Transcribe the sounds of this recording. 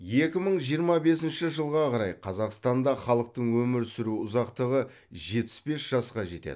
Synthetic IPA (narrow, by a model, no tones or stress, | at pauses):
je̞kʲɪməɴʒijəɾmɑbe̞sɪnʃɪʒəlˠʁɑqʰɑɾɑjqʰɑzɑqst̪ɑnd̪ɑχɑlˠəq̚t̪əɴwɵmɪɾsɪɾuʊzɑqt̪əʁə | ʒe̞pɪ̥sbe̞sʒ̥ɑsqɑʒe̞t̪ḛd̪ɪ